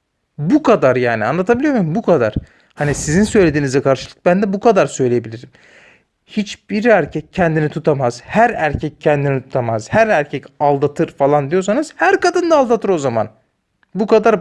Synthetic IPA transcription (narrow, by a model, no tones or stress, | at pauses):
bukʰad̪aɾjaːnia̰nlˠat̪ʰabilʲijomujmbukʰad̪a̰ɾ̥ | hanisizinsø̞jlʲe̞d̪iːnizɛkʰaɾʃɯlˠɯ̥k̚bænd̪ɛbukʰad̪aɾsø̞jlʲejebilʲiɾim | hit͡ʃb̥iɾæɾcʰɛc̚cʰːɛnd̪init̪ʰut̪ʰamaz̥hæɾæɾcʰɛccʰːɛnd̪init̪ʰu̥t̪ʰamaz̥hæɾæɾcʰɛcalˠd̪at̪ʰɯɾfalˠand̪ijo̞ɾsanɯz̥hæɾkad̪ɯnd̪aːlˠd̪at̪ʰɯɾo̞zama̰n | bukad̪aɾ